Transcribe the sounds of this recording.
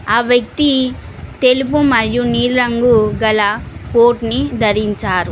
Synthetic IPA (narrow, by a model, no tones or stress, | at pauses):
aːʋjɐk̚t̪it̪e̞lup̬umɐɾijuniːɾɾɐŋɡuɡɐlɐpoːʈnid̪ʱɐɾiɲt͡ʃaːɾu